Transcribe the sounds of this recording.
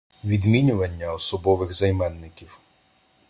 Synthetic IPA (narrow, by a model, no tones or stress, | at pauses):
ʋʲid̪mʲinʲʊʋɐnʲːɐɔsɔbɔʋɪɣzɐjmɛnːɪkʲiw